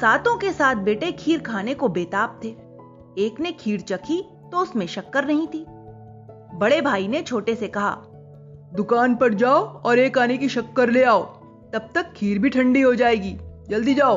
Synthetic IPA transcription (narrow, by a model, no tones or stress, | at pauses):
saːt̪õkesaːt̪̚ʰbeːʈekʰiːɾkʰaːnekobeːt̪aːp̚t̪ʰeː | eːknekʰiːɾt͡ʃɐkʰi | t̪oʊsmẽʃɐkːəɾnɐɦĩt̪ʰiː | bɐɽebʱaːinet͡ʃʰoːʈesekɐɦa̰ː | d̪ʊkaːnpɐɽd͡ʒaːoɔːɾeːkaːnekiʃɐkːəɾleːaːoː | t̪ɐb̚t̪ɐkʰːiːɾbʱiʈʰɐ̃ɳɖiɦod͡ʒaːeːɡiːd͡ʒɐld̪id͡ʒaːo